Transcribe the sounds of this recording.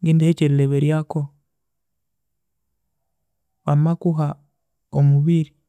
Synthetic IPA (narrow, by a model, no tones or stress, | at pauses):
ŋɡindeheceɾileβeɾjako | βamakuɦa | omuβiɾi